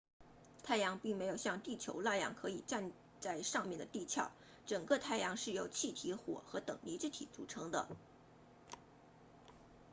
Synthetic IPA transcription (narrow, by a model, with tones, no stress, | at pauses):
t̪ʰa˥˩ɪjɑ˧˥ŋpi˥˩ŋme˧˥ɪjo˨˩ʊɕjɑ˥˧ŋt̪i˥˩t͡ɕʰjo̰˧˥ʊla˥˩jɑ̰˧˥ŋkʰɤ˧˥i˨˩ʈ͡ʂa˥˧n | t͡sa˥˧ɪʂɑ˥˧ŋmjɛ˥˩nd̪ə˩t̪i˥˧t͡ɕʰjɑ˥˩ʊ | ʈ͡ʂɤ˨˩ŋkə˥˧t̪ʰa˥˩ɪjɑ˧˥ŋʂɻ̩˥˩jo˧˥˩ʊt͡ɕʰi˥˩t̪ʰi˧˥xwɔ̰˨˩xɤ˧˥t̪ɤ˨˩ŋli˧˥ʈ͡ʂɻ̩˥˩t̪ʰḭ˨˩t͡sṵ˨˩ʈ͡ʂʰɤ˧˥ŋd̪ə̰˧